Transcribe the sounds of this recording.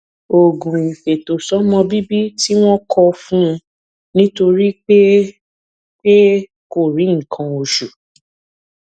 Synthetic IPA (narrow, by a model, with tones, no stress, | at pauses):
o˨ɡũ˨i˨fe˨to˨sɔ˨˦mɔ̃˧bi˦bi˦ti˦w̃ɔ̃˦kʰɔ˧fũ˦˧ | nĩ˦to˧ɾi˦k͡pe˦ | k͡pe˦ | ko˦˨ɾĩ˨˦ŋ̩˨kʰã˧o˧ʃu˨